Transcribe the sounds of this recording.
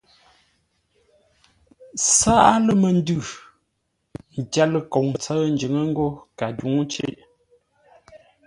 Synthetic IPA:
sa˦ʔa˦lə˦mə˨n˦dʉ˦˨ | n̩˨d͡ʒa˦lə˨ko˨ŋə˨t͡sə˦n̩˨d͡ʒə˨˦ŋə˦ŋ̩˦ɡo˦ka˨du˨˦ŋ˦t͡ʃḛ˦ʔ

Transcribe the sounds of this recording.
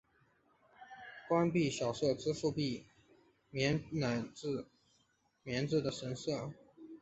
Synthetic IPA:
kwa˥npi˥˩ɕjɑ˨˩ʊʂɤ˥˩t͡sɹ̩˥ʂu˥˧pi˥˩ | mɛ˧˥nna˨˩t͡s̩˥˧ | mjɛ˧˥nt͡sɹ̩˥˩d̪ə˩ʂə˧˥nsɤ˥˩

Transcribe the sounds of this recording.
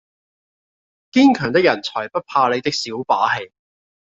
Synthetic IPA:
kiː˥nkʰœː˨˩ŋt̪̬ɪ˥k̚jɐ˨˩nt͡sʰɔː˨˩jpɐ˥t̚pʰaː˧le˨˧jt̪ɪ˥k̚siː˨˥wpaː˨˥he˨˧j

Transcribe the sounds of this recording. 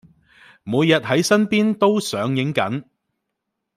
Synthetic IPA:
muː˨˧jːɐ˨t̚ɦɐ˨˥jsɐ˥npiː˥nt̪o˥wsœː˨˧˥ŋjɪ˨˥ŋkɐ̰˨˥n

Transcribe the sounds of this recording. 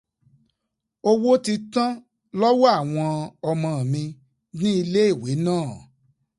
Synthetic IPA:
o˦wo˦ti˧tã˦ | lɔ˦wɔ˦a˦˨w̃ɔ̃˧ɔ˧mɔ̃˨˧˨mĩ˧ | nĩ˦i˧le˦i˦˨we˨˦nãː˦˨

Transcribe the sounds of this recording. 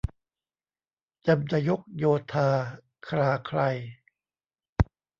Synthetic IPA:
t͡ɕa˧mt̪a˧jo˦˥k̚joː˧t̪ʰaː˧ | kʰɾaː˧kʰɾa˧j

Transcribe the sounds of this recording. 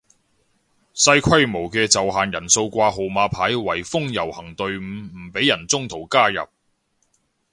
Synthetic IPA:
sɐ˧jkʷʰɐ˥jmo˨˩wkɛː˧t͡sɐ˨wɦaː˨njɐ˨˩nso˧wkʷaː˧ɦo˨wmaː˧pʰaː˨˥jwɐ˨˩jfʊ˥ŋjɐ˨˩whɐ˨˩ŋt̪ɵ˨ɥm̩˨˥m̩˨˩pe˨˥jːɐ˨˩nt͡sʊ˥ŋt̪ʰo˨˩wkaː˥jɐ̰˨p̚

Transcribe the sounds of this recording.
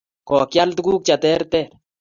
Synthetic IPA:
kɔ˨kja˦lt̪ʊ˦ɡu˦k̚t͡ʃa˨t̪ɛ˦ɾt̪ɛ˦ɾ

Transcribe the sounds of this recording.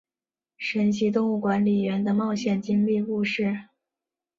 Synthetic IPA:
ʂə˧˥nɕi˧˥t̪ʊ˥˧ŋu˥˩kwa˧˥nli˨˩ɥɛ˧˥nd̪ə˧mɑ˥˧ʊɕjɛ˥˨˩nt͡ɕi˥ŋli˥˧ku˥˧ʂɻ̩˥˩

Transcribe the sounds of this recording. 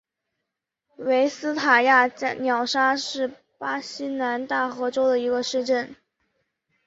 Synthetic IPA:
we˧˥ɪsɹ̩˥t̪ʰa˨˩ja˥˩˥njɑ˨˩ʊʂa˥ʂɻ̩˥˩ | pa˥ɕi˥na˧˥nt̪a˥˩xɤ˧˥ʈ͡ʂo˥ʊd̪ə˨i˧˥ɡə˧ʂɻ̩˥˧ʈ͡ʂə˥˩n

